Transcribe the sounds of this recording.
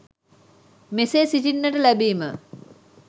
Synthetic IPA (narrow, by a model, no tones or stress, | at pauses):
meseːsitinːəʈəlæbiːmə